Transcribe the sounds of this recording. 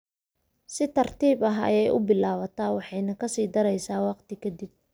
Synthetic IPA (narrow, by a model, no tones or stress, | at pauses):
sɪt̪ʰɐrt̪ʰiːbɐɦɐ̰jɛjʔʊbɪlaːβɐt̪ʰaːwɑħɑjnɐkʰɐsiːd̪ɐɾɛjsaːwɑqt̪ʰɪkʰɐd̪ib̚